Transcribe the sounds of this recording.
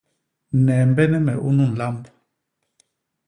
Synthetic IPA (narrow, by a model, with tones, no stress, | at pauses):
nɛ˨mbɛ˦nɛ˦mɛ˨ʔu˦nu˦˨n̩˨la˦mb